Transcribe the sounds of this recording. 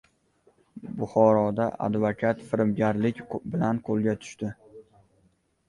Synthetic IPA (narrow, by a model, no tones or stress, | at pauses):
bʊχɒɾɒd̪aʔa̰d̪vakʲʰat̪fɪɾmɡʲaɾlɪkʲbɪlanqʰolˠɡʲat̪ʰʊ̥ʃt̪ɪ